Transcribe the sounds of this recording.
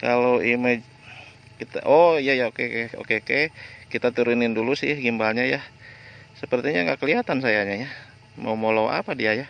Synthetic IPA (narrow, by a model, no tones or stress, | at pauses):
kaloʔimɛd͡ʒ | kit̪a̰ʔoijajaokeko̰kekekit̪at̪uɾunɪndulusɪhɡimbalɲajah | səpərt̪iɲaŋɡaʔkəliat̪ansajaɲaja | ma̰umolawa̰padiaja